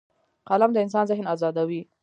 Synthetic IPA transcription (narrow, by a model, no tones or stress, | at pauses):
qalamd̪əɪns̬ɑnzɪɦnazɑd̪awi